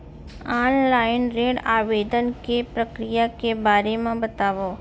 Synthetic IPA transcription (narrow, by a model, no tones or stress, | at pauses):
aːnlaːɪnɾeːɽaːʋed̪ənkepɾəkɾijakebaːɾemãbət̪aːʋoː